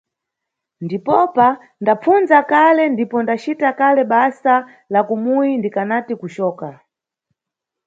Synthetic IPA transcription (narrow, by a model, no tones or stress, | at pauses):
ndipɔpa | ndap͡funzakalɛndipɔndat͡ʃitakalɛɓasa | lakumuindikanatikut͡ʃɔːka